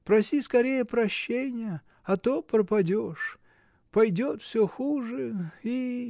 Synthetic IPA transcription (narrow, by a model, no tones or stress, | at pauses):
pɾɐsʲiskɐɾʲejəpɾɐɕːenʲɪjə | ɐt̪opɾəpɐdʲoʂ | pɐjdʲot̪fsʲoxuʐɨi